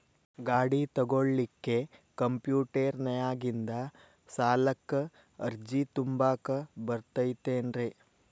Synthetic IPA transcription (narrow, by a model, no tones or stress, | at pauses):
ɡaːɽit̪ɐɡoɭlikːe̞kɐmpjuːʈeɾnɐjaːɡind̪ɐ | saːlɐkːɐ | ɐɾd͡ʒit̪umbaːkɐbɐɾt̪ɐjt̪eːnɾeː